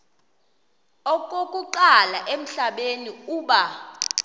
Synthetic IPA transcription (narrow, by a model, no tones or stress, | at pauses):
ɔk̬ʼok̬ʼuǃalaʔem̩ɬaɓeniuːɓa